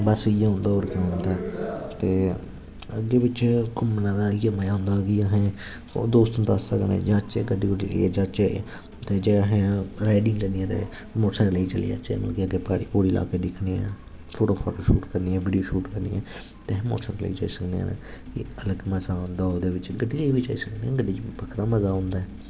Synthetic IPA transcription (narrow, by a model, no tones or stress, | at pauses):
bəsɪjãːɦʊ̃nd̪aːoːɾkːɦʊ̃nd̪aːt̪eː | əɡeːʋɪt͡ʃkʊmnãːd̪aːijəməjaːɦʊ̃nd̪aːkiəɦẽː | d̪oːst̪õːt̪asəknḛ̃ːd͡ʒaːt͡ʃeːɡəɖiːkoɽit͡ʃə̰lḭːɛːd͡ʒaːt͡ʃee | t̪eːd͡ʒeːəɦẽːɾaːɖɪ̃ŋd͡ʒəd̪ijãːt̪ḛː | moːʈskləiːt͡ʃəlḭːa̰ːt͡ʃḛːmə̰kiəɡeːpaːɽiːpoːɽiːla̰ːkeːd̪ɪkʰniːɛ̰̃ː | pʰoːʈoːkʰɔ̰ːʈoːʃuːʈkəɾniːɛ̃ːʋiːɖijoːʃuːʈkəɾnḭːɛ̃ː | t̪eɦːmo̰ːʈsə̃ːklə̰ḭːt͡ʃa̰ːiːsəknḛɛ̰ːn̰ːkḭələɡməzaːɦʊ̃nd̪aːoːd̪eːʋɪt͡ʃɡəɖiːlːʋiːt͡ʃa̰ːiːsəkneãːɡədit͡ʃipəkʰɾaːməzaːɦʊ̃nd̪aːɛː